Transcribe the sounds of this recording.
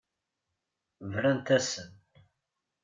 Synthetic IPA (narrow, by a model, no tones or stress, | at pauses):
vɾænt̪æsən